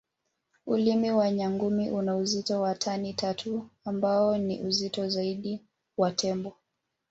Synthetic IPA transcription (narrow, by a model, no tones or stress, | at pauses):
ulimiwaɲaŋɡumiʔunauzitɔwatʰanitʰatʰuambaɔnḭʔuzitɔzaiɗi | watʰɛmbɔ